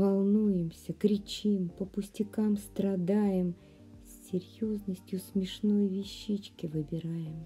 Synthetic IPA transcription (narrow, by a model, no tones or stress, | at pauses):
vɐlˠnujɪmsʲəkɾʲɪt͡ɕimpəpʊsʲtʲɪkamst̪ɾɐd̪ajɪm | sʲːɪɾʲjo̞znəsʲtʲjʊsmʲɪʂno̞jvʲɪɕːit͡ɕkʲɪvɨbʲɪɾajɪm